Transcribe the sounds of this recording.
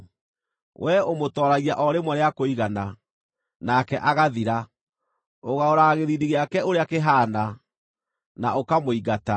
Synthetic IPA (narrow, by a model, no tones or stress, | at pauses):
wʔɛomotɔːɾaɣiaʔɔɾemwaɾeakoiɣana | nakɛʔaɣaðiɾa | oɣaoɾaːɣeɾiɾiɣeakɛoɾeakeɦaːna | naokamoiɡata